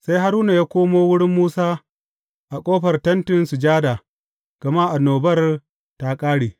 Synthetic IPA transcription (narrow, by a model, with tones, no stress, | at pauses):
sa˦jɦa˦ɾuː˦na˨jaː˦kʷoː˦moː˦wʊ˦ɽɪ˦mːuː˦saː˦ | ʔa˨kʷʼoː˦ɸɐ˨rtɐ˦ntɪ˨nsu˨d͡ʒaː˦da˨ | ɡ̥ɐ˨ma˦ʔa˨noː˨bɐ˦r | ta˨˦kʼaː˦ɽiː˨